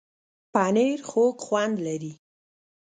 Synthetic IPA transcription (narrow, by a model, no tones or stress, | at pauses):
pɑneɾxokxwand̪laɾi